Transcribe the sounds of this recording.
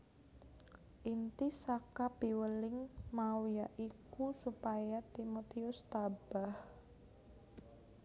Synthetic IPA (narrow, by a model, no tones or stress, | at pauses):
ʔint̪isakapiwəlɪŋmawijaʔikusupajat̪imot̪iʊst̪ab̥ah